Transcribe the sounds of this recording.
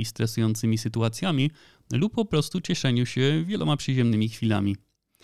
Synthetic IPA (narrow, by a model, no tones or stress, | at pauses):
ist̪ɾɛsujɔnt̪sɘmʲisɘt̪uat̪sʲjamʲi | lupːɔpɾɔst̪ut͡ɕɛʂɛɲuɕɛvʲjɛlɔ̰mapʂɘʑɛmnɘmʲixfʲila̰mʲi